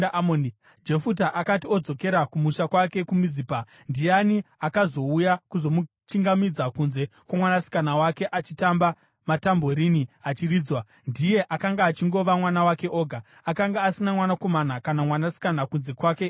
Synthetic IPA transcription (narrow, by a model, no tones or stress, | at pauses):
mo | d͡ʒe̞fut̬aʔakatio̞d͡zo̞keɾakumuʃakwake̞kumiziːpa | ndijaniakazo̞ujakuzo̞mu | t͡ʃiŋɡamid͡zakunze̞kwamwanasi̥kanawake̞ʔat͡ʃitamba | matambo̞ɾiniat͡ʃiriːd͡zwa | ndije̞ʔakaŋɡaːt͡ʃiŋɡo̞ʋamwanawake̞ʔo̞ːɡʱa | akaŋɡaːsinamwanako̞manakanamwanasi̥kanakunze̞kwake̞